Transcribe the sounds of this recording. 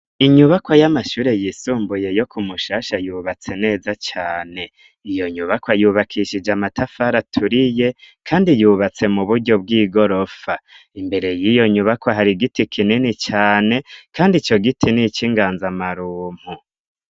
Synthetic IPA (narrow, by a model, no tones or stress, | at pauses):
iɲuβakwojamaʃuːɾe̞jisuːmbuje̞jo̞kʰumuʃaːʃajuːβat͡se̞ne̞ːzat͡ʃaːne̞ | ijo̞ɲuβakwajuːβakʰiʃid͡ʒamatafaɾatʰuɾije̞kʰaːndijuːβat͡se̞muβuɾɟo̞b̚ɡiːɡo̞ɾo̞fa | imbe̞ɾe̞jijo̞ɲuβakwaɦaɾiɡitikʰininit͡ʃaːne̞kaːndit͡ʃo̞ɡitʰinit͡ʃiŋɡaːnzamaɾuːm̥hu